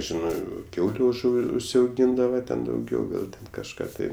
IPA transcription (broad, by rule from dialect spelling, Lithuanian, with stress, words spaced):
ˈʒʲɪnɜ ˈkʲɛʊlʲʊ ʊʒˈʊ ʊʃʲsʲɛʊˈɡʲiːndɐʋɐ tʲɛn dɐʊˈɡʲɛʊ ɡɐlˠ tʲɛn kɐʃˈkɑː tɐɪ